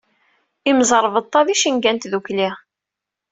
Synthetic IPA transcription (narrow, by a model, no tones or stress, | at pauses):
imzˤəɾˤvət̪ˤːɑðiʃinɡænt̪ðukli